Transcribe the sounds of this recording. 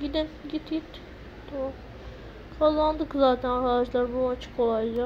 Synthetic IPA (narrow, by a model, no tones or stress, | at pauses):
ɟʲid̪inɟʲit̪it̪ | t̪ʰamam | kʰalˠːand̪ɯkzaːt̪ʰænaɾaad͡ʒlˠaɾbunat͡ʃʰɯ̥kolˠajd͡ʒa